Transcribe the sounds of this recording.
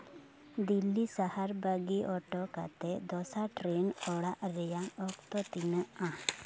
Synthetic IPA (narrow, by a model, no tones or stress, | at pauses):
d̪ilːisahaɾbaɡiʔɔʈɔka̰t̪ɛd̪ɔsaʈɾenɔɽaʔɾɛjaɔkt̪ɔt̪inəã